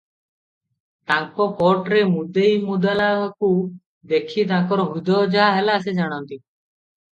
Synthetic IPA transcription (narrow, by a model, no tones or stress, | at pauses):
t̪ãŋkɔpɔʈɾemud̪ejmud̪alaku | d̪ekʰit̪̬ãŋkɔɾɔɦud̪ɔd͡ʒaɦaɦɛlas̬ed͡ʒaɽ̃ɔnt̪i